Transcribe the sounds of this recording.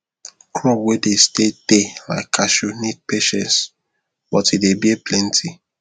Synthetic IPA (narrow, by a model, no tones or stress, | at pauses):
kʰɹɔpwedestedela̰ɪkʰːaʃunit̚peʃɛ̃ns | bɔtidebieplɛ̃ntʰi